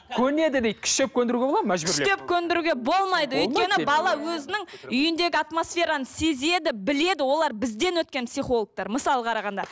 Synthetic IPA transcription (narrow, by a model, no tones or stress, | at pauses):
kʲʰɵne̞d̪ɪd̪ejd̪̚kʰʲɪ̥ʃt̪e̞p̚kʲʰɵnd̪ɪɾuɡʲeolˠɑd̪mæʒbɪɾet̪ep̚kʲʰɵnd̪ɪɾuɡʲe̞bo̞lˠmɑjd̪əɵjt̪̚kʲenɪbɑlˠɑwɵzɪnɪŋʏjɪnd̪e̞ɡʲɪat̪mo̞sfʲe̞ɾanəse̞ze̞d̪ɪbɪle̞d̪ɪwo̞lˠɑɾbɪzd̪e̞nwɵt̪̚kʲe̞npsiχo̞lˠək̚t̪ɑɾməsɑlˠəqʰɑɾɑʁɑnd̪ɑ